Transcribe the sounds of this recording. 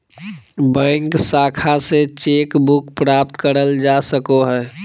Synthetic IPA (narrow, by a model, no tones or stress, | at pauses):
bə̃ɪŋksaːkʰaset͡ʃeːkbukpɾap̚t̪kəɾəld͡ʒasəkoɦɛː